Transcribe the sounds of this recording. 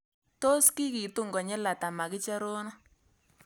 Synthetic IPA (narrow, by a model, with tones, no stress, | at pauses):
to˦ski˦ki˨tu˦ŋɡɔ˨ɲɛ˦la˨ta˨ma˨kɪ˦t͡ʃa˦ɾo˦nɔ˦